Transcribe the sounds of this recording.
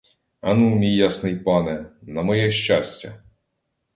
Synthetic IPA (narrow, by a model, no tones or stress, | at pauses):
ɐnumʲijːasnɪjpɑnɛnɐmɔjɛʃʲt͡ʃasʲtʲɐ̰